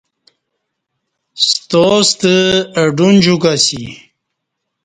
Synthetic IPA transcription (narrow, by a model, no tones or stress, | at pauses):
st̪ost̪əəɖund͡ʑukasḭ